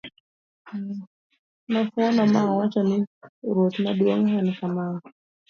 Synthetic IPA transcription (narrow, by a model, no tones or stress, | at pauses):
nafɔnamawat͡ʃanɪɾɔt̪naɗwɔŋhankama